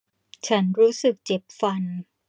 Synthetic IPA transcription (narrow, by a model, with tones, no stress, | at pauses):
t͡ɕʰa˦˥nɾuː˦˥sɯ˨˩k̚t͡ɕe˨˩p̚fa˧n